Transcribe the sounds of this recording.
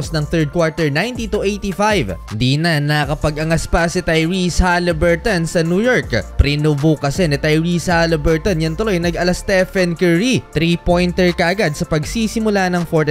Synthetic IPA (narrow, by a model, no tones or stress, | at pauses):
snɐŋθɛɹd̪̚kwaɹt̪ɛɹnajnt̪it̪uʔejt̪ifajvd̪inɐnɐkɐpɐɡʔɐŋɐspɐsɪt̪ɐjɹishalɐbɛɹt̪ɐnsɐnjuːjoɹkpɾɪnubukɐsɛnɪt̪ɐjɹishalɐbɛɹt̪onjɐŋt̪ʊlojnɐɡɐlɐst̪ɛfɛnkɛɹit̪ɾipo̞jnt̪ɛɹkɐʔɐɡad̪̚sɐpɐɡsisɪmʊlanɐŋfoɹt̪